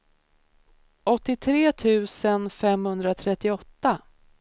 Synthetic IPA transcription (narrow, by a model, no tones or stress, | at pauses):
ʔɔt̪ːɪt̪ʰɾeːt̪ʰʉ̟ːsənfɛmhɵnd̪ɾat̪ʰɾɛt̪ːɪɔt̪ːa